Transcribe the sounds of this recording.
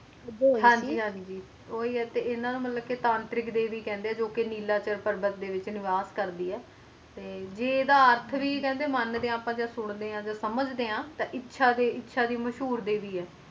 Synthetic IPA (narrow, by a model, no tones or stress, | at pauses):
ɦãːɲd͡ʒiːɦãːɲd͡ʒiː | oːiːɛːt̪eːɪnãːnũːmət̪ləb̚ket̪ãːnt̪ɾɪkd̪eːʋiːkɛ̃ːnd̪eɛːd͡ʒoːkeniːlaːt͡ʃəɾpəɾbət̪̚d̪eːʋɪt͡ʃnɪʋaːskəɾd̪iːɛː | t̪eːd͡ʒeːd̪aːəɾt̪ʰʋiːkɛ̃ːnd̪eːmənd̪eːãːpãːd͡ʒaːsʊɳ̃d̪eːãːd͡ʒaːsəməd͡ʒd̪eːãːt̪ãːʔɪtːʃʰaːd̪eːɪtːʃʰaːd̪iːməʃɦuːɾd̪eːʋiːɛː